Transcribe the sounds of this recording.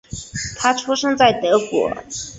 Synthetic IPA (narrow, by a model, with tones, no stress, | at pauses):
t̪ʰa˥ʈ͡ʂʰu˥ʂɤ˥ŋt͡sa˥˩ɪt̪ɤ˧˥kwɔ̰˨˩˥